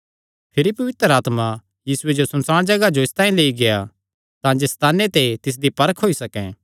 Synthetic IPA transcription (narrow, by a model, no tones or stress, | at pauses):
pʰɪɾipɐʋɪt̪əɾaːt̪ma | jiːsʊed͡ʒosɐ̃nsaːɽ̃d͡ʒɐɡad͡ʒoɪst̪ãːĩleːiɡeja | t̪ãːd͡ʒest̪aːnːet̪et̪ɪs̬d̪ipɐɾəkʰɦoːisɐkɛ̃ː